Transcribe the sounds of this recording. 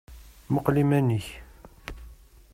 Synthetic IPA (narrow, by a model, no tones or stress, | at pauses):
məqlimæniç